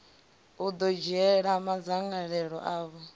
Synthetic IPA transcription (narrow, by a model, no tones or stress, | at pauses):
ud̪ɔd͡ʒɛɺamad͡zaŋɡaɺɛɺɔ̰ʔaːβɔ